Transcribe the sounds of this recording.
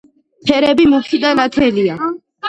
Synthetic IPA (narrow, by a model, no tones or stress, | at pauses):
pʰɛɾɛbimukʰid̪anat̪ʰɛlia